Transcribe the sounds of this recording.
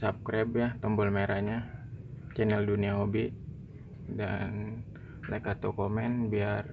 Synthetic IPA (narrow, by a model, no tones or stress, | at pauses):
sap̚kɾɛbjaht̪ɔmbʊlmeɾaɲa | t͡ʃɛnɛlduniaɦobiʔ | dan | lakat̪okomɛnbiar